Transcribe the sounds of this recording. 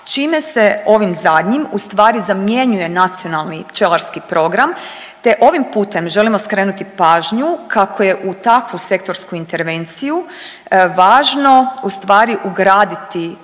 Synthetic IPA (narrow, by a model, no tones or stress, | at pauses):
t͡ʃiːme̞se̞o̞ʋimzad̪ɲimust̪ʋaːɾizamje̞ɲuje̞nat̪sio̞nalˠnipt͡ʃelaɾskipɾo̞ɡɾam | t̪e̞ʔo̞ʋimpuːt̪e̞mʒe̞limoskɾenut̪ipaːʒɲukʰakʰo̞je̞ʔut̪akʋuse̞kt̪o̞ɾskuint̪e̞ɾʋe̞nt̪siju | ʋaːʒno̞ust̪ʋaːɾiʔuɡɾaːd̪it̪i